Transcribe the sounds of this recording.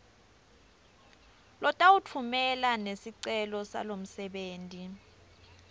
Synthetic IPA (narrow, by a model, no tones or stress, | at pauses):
lɔtʼawutʰumɛlanesiǀɛlɔsa̰lom̩sɛɓeːntʼi